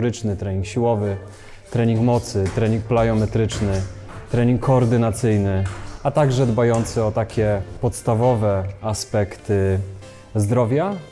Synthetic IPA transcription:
ɾɘt͡ʂnɘt̪ɾɛɲiŋkɕiwɔvɘ | t̪ɾɛɲiŋkmɔt̪sɘt̪ɾɛɲĩŋk̚plajɔmɛt̪ɾɘt͡ʂnɘ | t̪ɾɛɲiŋkʰːɔːɾd̪ɘnat̪sɘjnɘat̪aɡʐɛd̪bajɔnt̪sɛɔt̪akʲɛpɔt̪st̪avɔvɛaspɛkt̪ɘ | zd̪ɾɔvʲja

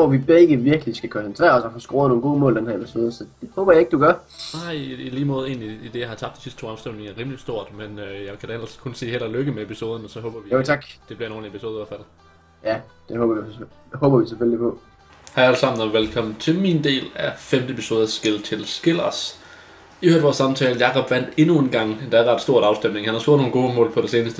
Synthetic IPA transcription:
ʋɒʋib̥eɡ̥əʋiɐɡ̥əlisɡ̥ækʰɒ̽nsənt͡sʰʁɛ̰ːɐɒ̽sɒ̽fɒːsɡ̥ʁoːɐno̝ːn̩ɡo̝ːmɔ̰ːld̥enhæɐepiso̝ːð̞ˠəsɒ̽d̥e̝hɔːb̥ɐjɑ̈e̝ɡ̥d̥uɡ̥ɶɐ | nɑ̈ɪ̰iliːmɔːðˠe̝ːnliːd̥e̝jɑ̈hɑ̈t͡sʰɑ̥d̥isisd̥t͡sʰo̝̰ːɑmsd̥em̰ne̝ŋɐæɐʁḭːməlisd̥o̝ɐ̰d̥menøjɑɪkʰæd̥æenlɐskʰonse̝̰ːhel̰ɐløɡ̥əmeepʰiso̝ːð̞ˠən̩ɒsɒ̽ɦɔ̽ːb̥ɐʋijot͡sʰɑ̈ɡ̥d̥e̝b̥liɐno̝ːn̩epʰiso̝ːð̞ˠɔfæd̥ð̩ˠ | jæd̥ehɔ̽ːb̥ɐu | hɔ̽ːb̥ɐʋisefølipʰɔ̽ | hææləsɑ̈m̰n̩æʋelkʰɒ̽mn̩t͡sʰe̝lmiːnd̥e̝̰ːlæfemd̥əepʰiso̝ːðˠɐsɡ̥elt͡sʰe̝lsɡ̥e̝lɐs | ihøɐ̰d̥ʋɒːsɑ̈mt͡sʰɛːləjɑ̈ɪʁɑbʋæn̰d̥e̝nue̝nɡ̥ɑ̈ŋ̰d̥ɑæɐʁɑ̈d̥sd̥o̝ɐ̰ɾɑ̈ʊsd̥emne̝ŋhænhɑsoɐ̰d̥ˠno̝ːn̩ɡo̝ːmɔ̰ːlpʰɒɾ̥e̝se̝ːnəsd̥ə

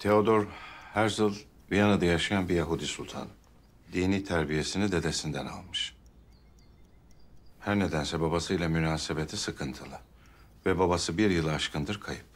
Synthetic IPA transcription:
t̪ʰe̞o̞d̪o̞ɾhæɾzɯlˠ | bijanad̪ajaʃajanbijaɦud̪isulʲt̪ʰa̰n | d̪iːniːt̪ʰæɾbije̞sinid̪e̞d̪e̞sind̪æna̰lˠmɯʃ | hæɾne̞d̪ænsɛbabasɯjlʲˠamynaːse̞be̞t̪ʰisɯkʰɯnt̪ʰɯlˠɯ | vɛbabasɯbiɾjɯlˠaʃkʰɯnd̪ɯɾkʰajɯp̚

